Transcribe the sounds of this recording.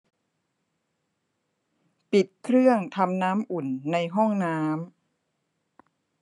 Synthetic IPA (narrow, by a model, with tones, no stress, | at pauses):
pi˨˩t̪̚kʰɾɯ˥˩əŋt̪ʰa˧mnaː˦˥mʔu˨˩nːa˧jɦɔ˥˩ŋnaː˦˥m